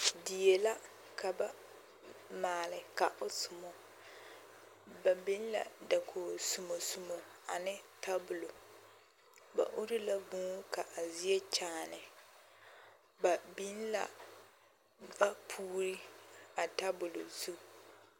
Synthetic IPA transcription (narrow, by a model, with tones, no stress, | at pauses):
di˨je˨la˦ | kʰa˨ba˦ | maː˨lɪ˨ka˨ʔʊ˨sʊ˨mɔ˨ | ba˨bi˦n˦la̰˨da˨kʰo˨sʊ˨mo˨sʊ˨mo˨a˨nɪ˦tʰa˦bʊ˨lo˨ | ba̰˨ʔʊ˦ɾɪ˦la˦bũ˦ka˨ʔa˨zi˦ɛ˦t͡ʃaː˦˨nɪ˨ | ba˨bi˦n˦la̰˦ | va˦pʰuː˦ɾi˦a˨ta˦bʊ˨lo̰˨zu˦